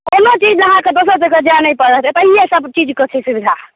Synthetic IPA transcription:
konot͡ʃid͡ʒəɦãked̪osəd͡ʒəked͡ʒanəpəɾəɦt͡ʃɛt̪əɦiesəbt͡ʃid͡ʒkɔt͡ʃʰɛsubid̪ʱa

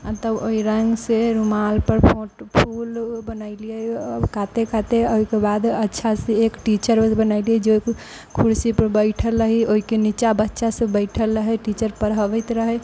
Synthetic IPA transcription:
at̪əboiɾəŋɡseɾumalpəɾpʰoʈpʰulbənaɪliɛkat̪ekat̪eoɦikebad̪ətːʃʰaseekʈit͡ʃəɾbənaɪliɛd͡ʒek | kʰuɾsipəɾbəɪʈʰəlːəɦioɦikenit͡ʃabətːʃasẽbəɪʈʰəlːəɦɛʈit͡ʃəɾpəɾɦəʋəɪt̪ɾəɦɛ

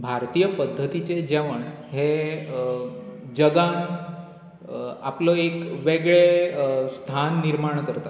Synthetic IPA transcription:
bʱaɾt̪ijəpəd̪ʱːət̪it͡ɕed͡ʑɛʋəɳ | ɦe | d͡ʑəɡan | a̰plɔekʋeɡɭest̪ʰanːiɾmaɳkəɾt̪a

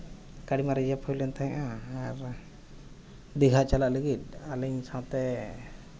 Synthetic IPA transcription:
kaɽimaɾɛjapʰɔjlɛnt̪aɦɛʔaːɾ | d̪iɡʱat͡ʃalaʔləɡit̪̚aliɲsãt̪ɛ

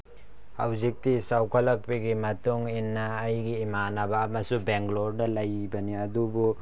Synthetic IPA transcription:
ha̰wzik̚tisawkʰɐlɐk̚piɡimɐtuŋinːɐːjɡiːmanɐbɐːmɐsubeŋkloɾdɐlɐjbɐniɐdubu

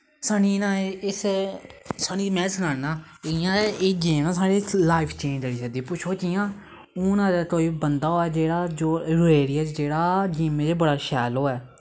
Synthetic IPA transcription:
saniːnãːɪs | saːniːmɛ̃ːsənaːɽnaː | ɪjãːed͡ʒiːmnãːsaːɽiːlaːɪpʰt͡ʃẽːɲd͡ʒaɽiːsəd̪iːpʊt͡ʃʰoːt͡ʃijãː | ʊnãːd̪aːt̪oːiːbənd̪aːɦoːɛːd͡ʒeːɽaːd͡ʒoːɾʊeːɾɪaːt͡ʃd͡ʒeːɽaːd͡ʒiːmẽːd͡ʒeːbəɽaːʃɛːloːɛː

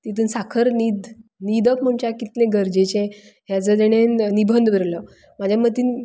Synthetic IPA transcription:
t̪it̪̬uːnsakʰəɾnid̪nid̪əkm̤əɳt͡ɕakit̪nẽɡəɾd͡ʑet͡ɕẽ | ɦjad͡zəd̪eɽ̃ennibʱənd̪bəɾlə | mad͡ʑʱjamət̪iːn

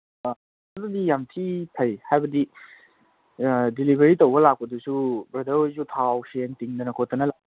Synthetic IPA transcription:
ɐdudijamtʰipʰɐjhajbɐdi | dilibʱeɾitowɡɐlak̚pɐdusubɾɐdelzutʰawsentiŋdɐnɐkʰot̪ɐnɐla

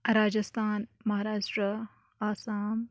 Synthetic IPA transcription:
ɾaːd͡ʒɐst̪ʰaːnmɐɦaːɾaːʃʈɾə | aːsaːm

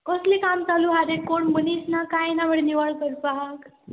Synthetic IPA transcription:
kɔslikaːmt͡saluɦaɾekoɳmənisnakajnabəɽniʋaɭpəɾpaɦk

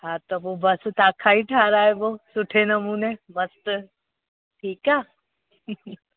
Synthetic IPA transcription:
haːt̪obobɐst̪aːkʰaːiʈʰaːɾaːeboːsʊʈʰenɐmuːnebɐst̪ | ʈʰiːkaː

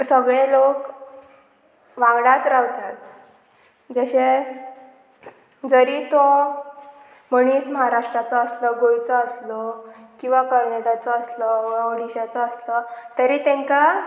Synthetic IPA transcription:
səɡɭelok | ʋãɡɽat̪ɾawt̪at̪̚ | d͡zəɕe | d͡zəɾit̪ɔ | məɽ̃iːsməɦaɾaʂʈɾat͡sɔːslɔɡojt͡sɔəslɔkĩw̃ʋakəɾnaʈat͡sɔəslɔəɽiɕat͡sɔːslɔt̪əɾiːt̪ẽŋka

